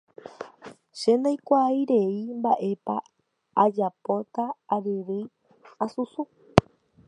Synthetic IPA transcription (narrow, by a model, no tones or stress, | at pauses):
ʃend̪ajkʷajɾe̞imbaʔe̞pa̰ | ad͡ʒapot̪aːɾɨɾɨ | asusu